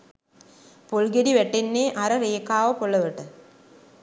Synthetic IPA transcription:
polɡeɽiʋɛʈːenːeːʔɐɾɐɾeːkaːʋɐpoɭːɐʋɐʈːɨ

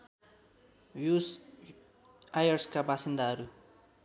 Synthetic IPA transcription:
jus | ajʌrskabasind̪aɦʌɾu

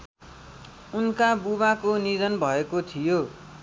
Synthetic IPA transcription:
unkabuβakonid͡zʌnbʱʌekot̪ʰijo

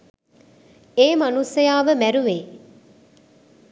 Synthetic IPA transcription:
eːmɐnusejaːʋəmæɾuʋeː

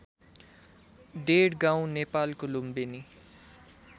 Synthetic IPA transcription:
ɖeɽɡãw̃nepaːlkolumbeni

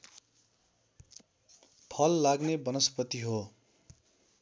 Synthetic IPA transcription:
pʰʌlːaɡnebʌnʌspʌt̪iɦo

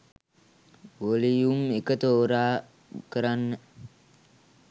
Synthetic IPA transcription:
ʋolijumekət̪oːɾaː | kəɾanːə

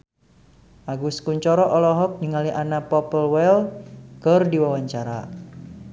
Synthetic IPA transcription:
ʔaɡuskuɲt͡ʃɔɾɔʔɔlɔɦɔk̚niŋaliʔanapɔpəlwɛlkərdiwawaɲt͡ʃaɾa

